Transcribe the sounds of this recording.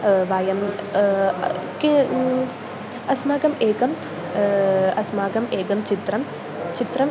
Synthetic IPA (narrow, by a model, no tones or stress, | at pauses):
ʋaːjɐm | ki | ɐsmaːɡɐmeːɡɐm | ɐsmaːɡɐmeːɡɐmt͡ʃit̪ɾɐm | t͡ʃit̪ɾɐm